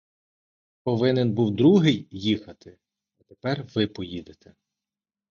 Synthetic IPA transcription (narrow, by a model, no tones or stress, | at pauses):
pɔʋɪnenbuwd̪ɾuɦɪjjixɐt̪ɪ | ɐt̪epɛrʋɪpɔjid̪et̪ʰɛ